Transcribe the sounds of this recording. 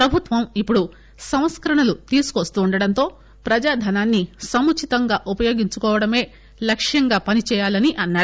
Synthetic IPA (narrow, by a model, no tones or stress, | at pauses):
pɾɐbʱut̪ʋɐmipːuɽu | sɐm̃t̪skɐɾɐɳɐlut̪iːsu̥kost̪uːɳɖɐɽɐnt̪o̞ː | pɾɐd͡ʒaːd̪ʱɐnaːnːisɐmut͡ʃʰit̪ɐŋɡaːʔupɐjo̞ːɡiɲt͡ʃukɔːʋɐɽɐme̞ː | lɐkʂjɐŋɡaːpɐnit͡ʃɛːjaːlɐniʔɐnːaːɽu